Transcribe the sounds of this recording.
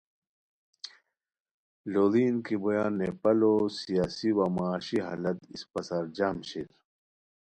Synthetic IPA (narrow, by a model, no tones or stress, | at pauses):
loːd̪iːnkibɐjaːnːepɐloːsijaːsiwamaːɕiɦa̰ːlɐt̪ispɐsaɾd͡ʑaːmɕil